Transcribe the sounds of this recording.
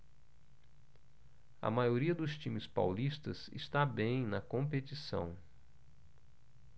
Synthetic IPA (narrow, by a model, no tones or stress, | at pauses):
ɐ̰majoɾiɐd̪ʊst͡ʃĩmɪspa̰wlist̪ɐzɪ̰st̪abẽj̃nɐkõmpet͡ʃisɐ̰̃w̃